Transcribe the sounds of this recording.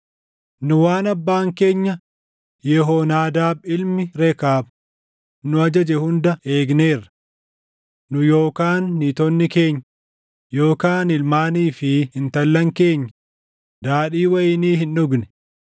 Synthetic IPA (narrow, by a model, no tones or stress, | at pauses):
nʊwaːnɐbːaːŋke̞ːɲːɐ | jɛɦoːnaːd̪aːbɪlmɪɾɛkaːb | nʊɐd͡ʒɐd͡ʒɛhʊnd̪ɐe̞ːɡne̞ːrːɐ̥ | nʊjoːkaːnːiːt̪ɔnːɪke̞ːɲːɐ | jo̞ːkaːnɪlmaːniːfɪhɪnt̪ɐlːɐŋke̞ːɲːɐ | d̪aːᶑiːwɐjɪniːɦɪnːʊɡnɛ̥